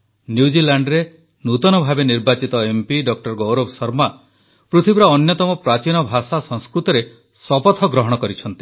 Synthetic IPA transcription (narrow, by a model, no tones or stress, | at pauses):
njud͡ʒilaɳɖɾe | nut̪ɔnɔbʱabeniɾbat͡ʃit̪ɔempiɖɔk̚ʈɔɾɡɔwɾɔbsɔɾma | pɾut̪ʰibɾɔːnjɔt̪ɔmɔpɾat͡ʃiñɔbʱasasɔŋskɾut̪ɔɾe | sɔpɔt̪ʰɔɡɾɔɦɔɽ̃ɔkɔɾit͡ʃʰɔnt̪i̥